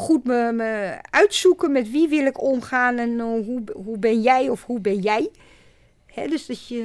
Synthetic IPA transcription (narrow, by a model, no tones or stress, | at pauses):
xutməməœɥtsukənmɛtʋiʋɪlˠɪkomxaːnɛnɦuɦubɪnjɛjɔfhubɪnjɛj | hɛ̰døsdɔsjə